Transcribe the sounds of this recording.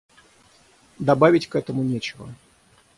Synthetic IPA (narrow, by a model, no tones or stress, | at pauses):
d̪ɐbavʲɪtʲkɛt̪əmʊnʲɛt͡ɕɪvə̰